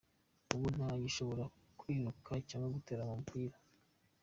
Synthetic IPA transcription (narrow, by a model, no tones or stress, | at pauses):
uβun̥aɲiʃo̞βoɾa | kwiːnukʰaicamaɡuteːɾamampʰiːɾa